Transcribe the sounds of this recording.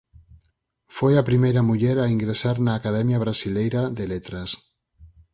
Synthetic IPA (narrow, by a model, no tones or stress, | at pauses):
fojapɾimejɾamuʎeɾaiŋɡɾesaɾnaːkaðɛmjaβ̞ɾasilejɾaðelet̪ɾas